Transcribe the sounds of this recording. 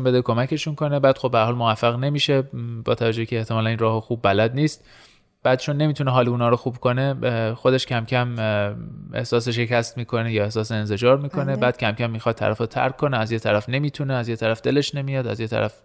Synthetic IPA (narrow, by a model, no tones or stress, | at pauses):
nmbe̞d̪ekʰo̞mæcʰe̞ʃunkʰo̞ne̞bæːd̪̥xobːehæɾhɒːlmovæfːæɣne̞miːʃe̞bɒːt̪ʰævæd͡ʒohcʰeːht̪ʰe̞mɒːlæninrɒːɦoxuːbːælæd̪niːst̪ | b̥æːd̪̥̚t͡ʃʰo̞nːe̞miːt̪ʰuneɦɒːliunɒːɾoxuːbkʰo̞ne̞xo̞d̪eʃcʰæmcʰæm | e̞̰hsɒːs̬eʃe̞cʰæst̪miːkʰo̞nejɒːe̞hsɒːseːnze̞d͡ʒɒːɾmiːkʰo̞ne̞bæːd̪̚cʰæmcʰæmːiːxɒd̪ʰːæ̰ɾæfot̪ʰæ̰ɾkʰːo̞neæzjet̪ʰæɾæfne̞miːt̪ʰuneæzjet̪ʰæɾæfd̪̥e̞le̞ʃne̞mijɒːd̪æ̰zjet̪ʰæ̰ɾæf